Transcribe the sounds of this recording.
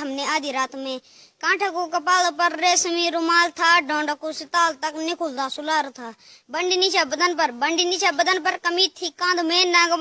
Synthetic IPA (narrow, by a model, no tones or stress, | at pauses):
əmnẽːaːd̪iːɾaːt̪mẽː | kãːʈʰakuːkəpaːlpəɾːeːsmĩːɾʊmaːlt̪ʰaːɖõːɳɖəkuːsɪt̪aːlt̪ɐknɪkʰuld̪aːsʊlaːɾt̪ʰaː | bəɳɖiːnit͡ʃaːbəd̪ənpəɾbəɳɖiːnɪt͡ʃaːbəd̪ənpəɾkəmiːt̪ʰiːkãːnd̪meːnãːɡm